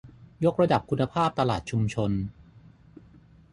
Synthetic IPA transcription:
jo˦˥k̚ɾa˧da˨˩p̚kʰu˧nːa˧pʰaː˥˩p̚t̪a˧laː˨˩t̪̚t͡ɕʰu˧mt͡ɕʰo˧n

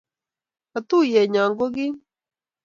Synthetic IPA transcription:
a˨t̪u˦˨jɛ˨ɲaː˨ŋɡo˦ɣi˦

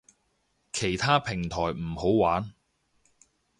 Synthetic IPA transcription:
kʰe˨˩jt̪ʰaː˥pʰɪ˨˩ŋt̪ʰɔː˨˩jm̩˨˩ho˨˥wwaː˨˥n

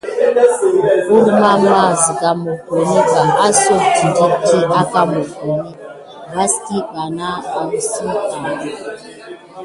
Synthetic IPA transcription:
u˦ɾma˦ma˦˨zi˨ka˨mo˨kʷe˨ni˦ba˨ʔa˦so˦˨ti˨da˦ti˦a˦ka˦mo˨ke˨ni˦ | ba˦sti˦ɓa˨na˦a˨m̩˦si˦ki˨

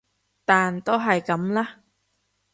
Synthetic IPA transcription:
t̪aː˨nt̪o˥wɦɐ˨jkɐ˨˥mlaː˥

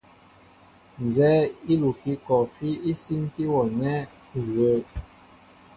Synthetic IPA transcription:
n˨zɛ˦i˦lu˨ki˦kɔ˨fi˦i˦si˦n˦ti˦wɔ˨nɛ˦˨ | ɣə˨˦

